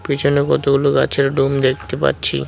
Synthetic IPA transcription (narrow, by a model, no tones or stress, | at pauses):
pit͡ɕʰonekɔt̪oɡuloka̰t͡ɕʰeɾɖumd̪ek̚ʰt̪epa̰ɾt͡ɕʰḭ